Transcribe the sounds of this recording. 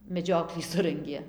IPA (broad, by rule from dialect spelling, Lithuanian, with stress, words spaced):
mʲɛˈd͡ʒʲoːklʲiː ˈsʊrɐŋʲɡʲeː